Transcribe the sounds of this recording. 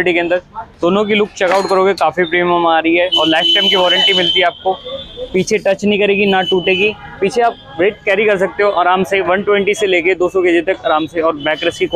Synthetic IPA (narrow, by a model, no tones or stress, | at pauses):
ʈikeɐ̃nd̪əɾd̪oːnõkilʊkt͡ʃɐkaːʊʈkɐɾoːɡekaːfipɾiːmɐmaːɾɐiɦɛɔːɾlaːɪfʈɛːmk̬iʋɔːɾə̃ɳʈimɪlt̪iɦɛaːp̚kopiːt͡ʃʰeʈɐt͡ʃnəɦĩkɐɾeːɡinaʈuːʈeːɡi | piːt͡ʃʰeaːp̚ɾeːʈ̚kɛːɾikɐɾsɐk̚t̪eɦoʔaːɾaːmseʋɐ̃nʈwɛ̃ɳʈiseleːked̪oːsɔked͡ʒet̪ɐkɐːɾaːmseɔːɾbɛːkɾəsik